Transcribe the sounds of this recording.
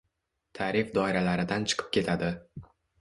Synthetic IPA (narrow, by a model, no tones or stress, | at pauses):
t̪ʰaɾɪfd̪ɒɪɾalaɾɪd̪ant͡ʃʰɨ̥qʰɨ̥p̚kʲe̞t̪ʰad̪ɪ